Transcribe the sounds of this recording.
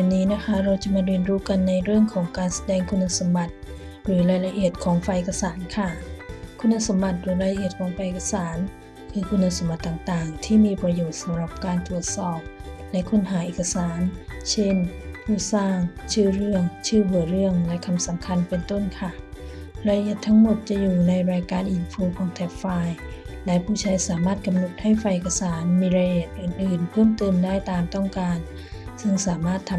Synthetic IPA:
ɛ˨˧˩nːiː˦˥na˦˥kʰa˦˥ɾa˧wt͡ɕa˨˩maː˧wi˧ənɾuː˦˥ka˧nːa˧jɾɯ˥˩əŋkʰɔː˩˦ŋkaː˧nsḁ˧dɛː˧ŋkʰu˧nːa˧sa˨˦mba˧˩t̪̚ | ɾɯː˩˦laː˧jla˧ʔi˨˩ət̪̚kʰɔː˩˦ŋfa˧jʔe˨˧˩kːa˧saː˩˦nkʰa˧˥˩kʰu˧nːa˧˥sa˩˦mba˧˩t̪̚ɾɯː˩˦laː˧la˧ʔi˨˩ət̪̚kʰɔː˩˦ŋfaː˧jʔeː˨˩kːa˧saː˩˦n | kʰɯː˧kʰu˧nːa˧sa˨˩˦mba˧t̪ːaː˨˩ŋt̪aː˨˩ŋt̪ʰiː˥˩miː˧pɾa˧joː˨˩t̪̚sa˨˦mɾa˨˧˩p̚kaː˧nt̪ɾu˨˩ət̪̚sɔː˧˩p̚lɛ˦˥ʔkʰo˧˥˩nɦaː˩˦ʔeː˨˩kʰa˧saː˩˦nt͡ɕʰe˥˩npʰuː˥˩saː˥˩ŋt͡ɕʰɯː˥˩ɾɯ˥˩əŋt͡ɕʰɯː˥˩bɯ˨˩əɾɯ˥˩əŋlɛ˦˥kʰa˧msa˩˦mkʰa˧npe˧nt̪o˥˩nkʰa˥˩ | ɾaː˧ji˧˩t̪ʰːa˦˥ŋmo˨˩t̪̚t͡ɕa˨˩juː˨˩na˧jɾaː˧jkaː˧nʔi˧nfuː˧kʰɔː˨˦ŋt̪ʰɛ˦˥p̚faː˧jlɛ˦˥pʰuː˥˩t͡ɕʰaː˧jsaː˩˦maː˥˩t̪̚ka˧mno˨˩t̪̚ha˥˩jfa˧jʔeː˨˩kʰːa˧saː˩˦nmiː˧ɾaː˧jji˧˩t̪̚ʔɯː˨˩nʔɯː˨˩npʰɯː˥˩əmt̪ɯː˧ndaː˥˩jt̪aː˧mt̪ɔ˥˩ŋkaː˧n | sɯ˧ŋsaː˩˦maː˥˩t̪ʰːa˧

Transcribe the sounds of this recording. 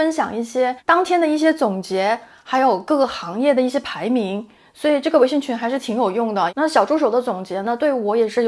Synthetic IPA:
ə˥nɕjɑ˨˩ŋi˥˩ɕjɛ˥t̪ɑ˥ŋt̪ʰjɛ˥nd̪ə˨i˥˩ɕ̬jɛ˥t͡sʊ˨˩ŋt͡ɕjɛ˧˥ | xa˧˥ɪjo˨˩ʊkɤ˥˩ɡə˩xɑ˧˥ŋjɛ˥˩d̪ə˩i˥˩ɕjɛ˥pʰa˧˥ɪmi˧˥ŋ | swɔ˧˥i˨˩ʈ͡ʂɤ˥˩ɡəwɕi˥˩ŋt͡ɕʰy˥nxa˧ɪʂɻ̩˥˩t̪ʰi˧˥ŋjo˨˩ʊjʊ˥˩ŋd̪ə˩na˥˩ɕjɑ˨˩ʊʈ͡ʂu˥ʂ̬o˨˩ʊd̪ə˦t͡sʊ˨˩ŋt͡ɕjɛ˧˥nə˧t̪we˥˩ɪy˧˥wɔ˧˥jɛ˨˩ʂɻ̩˥˩

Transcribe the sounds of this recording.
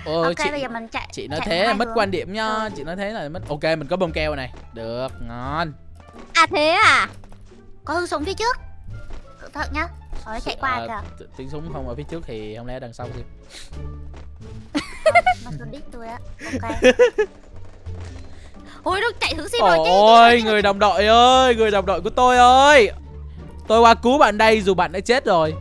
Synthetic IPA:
ʔə˨˧˩kie˧i˧ɓə˧jzəː˨˩mï˨˩ŋ̟t͡ɕa̰˧˨jt͡ɕḭ˧˨nɔ˨˦˨jt̪ʰe˨˦˨mə˦˥t̚kwaː˧nɗḭ˧˩əmɲɔ˨˦t͡ɕḭ˧˨nɔ˨˦jt̪ʰe˨˦na˨˩mə˦˥t̚ʔo˧ke˧mï˨˩n̟kɔ˨˦ɓo˧mkɛ˧wna˨˩jɗɨ˨˩ək̚ŋɔ˨˩˨n | ʔaː˨˩t̪ʰe˨˦ʔaː˨˩ | kɔ˨˦hɨ˨˧əŋsʊ˨˦wŋ͡mfi˨˦t͡ɕɨ˦˥ək̚kɨ̰˧˨t̪ʰə˨˩t̚ɲa˨˧˦t͡ɕa̰˧˨jkwaː˧˨˩t̪i˨˦əŋsʊ˨˦ŋ͡mxə˧wŋ͡mʔəː˧˩fi˨˦t͡ɕɨ˦˥ək̚t̪ʰi˨˩hə˧wŋ͡mlɛ̰˧˥ɗaː˨˩ŋsa˧wzi˨˩˨ | i˦˥t̪u˧əjʔa̰ː˧ke˧ | ʔo˧jɗʊ˦˥t͡ɕa̰˧˨jt̪ʰɨ˨˦ŋsi˧˨˩o˧jŋɨ˨˩əjɗa˨˩wŋ͡mɗo̰˧˨jʔəː˧jŋɨ˨˩əjɗa˨˩wŋ͡m̚ɗo̰˧˨jku˧˩ət̪o˧jʔəː˧j | t̪o˧jkwaː˧ku˨˦ɓa̰ː˧˨nɗə˧jzu˨˩ɓa̰ː˧˨nːa̰ː˧˥t͡ɕe˦˥t̚zo˨˩j

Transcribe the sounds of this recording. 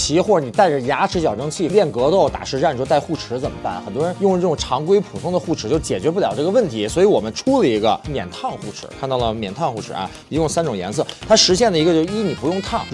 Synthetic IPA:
t͡ɕʰi˧˥xwɔ˥˩ə˧˩ni˨˩t̪a˥˩ɪʈ͡ʂə˨˩ja˧˥ʈ͡ʂʰɻ̩˧˥t͡ɕjɑ˨˩ʊɤ˥ŋt͡ɕʰi˥˩ljɛ˥˩nkɤ˧˥t̪o˥˩ʊt̪a̰˨˩ʂɻ̩˧˥ʈ͡ʂa˥˩nʰ˩˥˧t̪a˥˧ɪxu˥˩ʈ͡ʂʰɻ̩˧˥t͡sə˨˩mə˧˦pa̰˥˩nxə˨˩nt̪wɔ˥ɻə˧˥njʊ˥˧ŋʈ͡ʂ̩˥ɤ˥˩ʈ͡ʂʊ˨˩ŋʈ͡ʂʰɑ˧˥ŋkwe˥ɪpʰu˨˩t̪ʰʊ˥ŋd̪ə˨xu˥˩ʈ͡ʂʰɻ̩˧˥t͡ɕjo˥˩ʊt͡ɕjɛ˨˩t͡ɕɥɛ˧˥p̬u˥˩jɑ˧˥ʊʈ͡ʂɤ˥˩ɡə˧wə˥˩nt̪ʰi˧˥swɔ˧˥i˧˥wɔ˨˩mə˦nʈ͡ʂʰu˥lə˨i˧˥ɡə̰˧mjɛ̰˨˩nt̪ʰɑ˥˧ŋxu˥˩ʈ͡ʂʰɻ̩̰˧˥kʰa˥˧nt̪ɑ˥˩lə˩mjɛ˨˩nt̪ʰɑ˥˧ŋxu˥˩ʈ͡ʂʰɻ̩̰˨˩ɐ̰˧˩ | i˧˥jʊ˥˩ŋsa˥nʈ͡ʂʊ˨˩ŋjɛ̰˧˥ns̬ɤ˥˩t̪ʰa˥ʂɻ̩˧˥ɕ̬jɛ˥˩nd̪ə˩i˧˥ɡə˧t͡ɕjo˥˧ʂi˥ni˨˩pu˧˥jʊ˥˧ŋt̪ʰɑ˥˩ŋ

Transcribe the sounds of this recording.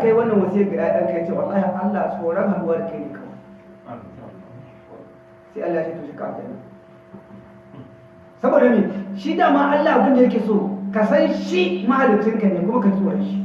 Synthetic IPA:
ka˦jwɐ˦nːɐ˨wɐ˨si˦jɐ˦˨ɡɪ˨ɗaː˦ɐ˦ka˨jaː˦t͡ʃeː˦wa̰˨lːaː˦ha˨kʔa˦lːa˨soː˨ɽɐ˦ŋha˨ɾʊ˦waː˦da˨ka˨˦niː˦kɐ˨ma̰˨˦ | se˦ʔa˦lːa˨si˦tuː˨ʃi˦ka̰˨ka̰˦nḭː˦ | sɐ˦boː˨da˨˦neː˨ʃi˦daː˨maː˦ʔa˦lːaː˨bʊ˦nda˨jɐ˦k̬ʲeː˨soː˦˨ka˨sɐ˦nʃi˦ma˦ha˨lʊ˨t͡ʃɪ˦ŋka˨neː˨kʷʊ˦mɐ˦ka˨˦sʼʊ˦wa˨ʃi˦

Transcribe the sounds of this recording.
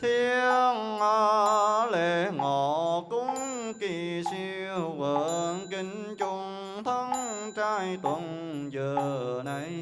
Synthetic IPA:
t̪ʰi˧əŋʔa˧le˧˨ŋɔ˧˨˩kʊ˧˥ŋki˧˩si˧wvəː˧˨˦nki˧ŋ̟t͡ɕʊ˧ŋ͡m | t̪ʰə˧˦ŋt͡ɕaː˧˩jt̪wə˧˨n | zəː˨˩na˧˩j

